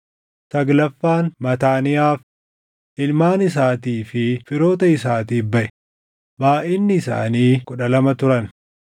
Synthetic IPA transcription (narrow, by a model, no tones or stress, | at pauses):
sɐɡlɐfːaːnmɐt̪aːnɪjaːf | ʔɪlmaːnɪs̬aːt̪iːfɪfɪɾo̞ːt̪ɐɪsaːt̪iːbɐʔɛ | baːʔɪnːɪːsa̰ːniːkʊᶑɐlɐmɐt̪ʊɾɐn